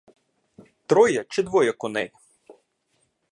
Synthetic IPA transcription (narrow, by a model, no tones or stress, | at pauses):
t̪ɾɔjɐt͡ʃɪd̪ʋɔjɐkɔnɛj